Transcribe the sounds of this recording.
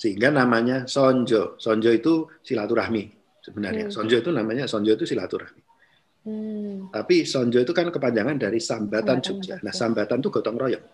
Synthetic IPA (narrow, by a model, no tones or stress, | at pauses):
səɦiŋɡanamaɲasɔɲd͡ʒɔsɔɲd͡ʒɔit̪usilat̪uɾahmi | səbənarɲasɔɲd͡ʒɔit̪unamaɲasɔɲd͡ʒɔit̪usila̰t̪uɾahmi | t̪apisɔɲd͡ʒɔit̪ukankəpaɲd͡ʒaŋandaɾisambat̪ant͡ʃud͡ʒanahsambat̪ant̪uɡ̥ɔ̤t̪ɔŋrɔjɔŋ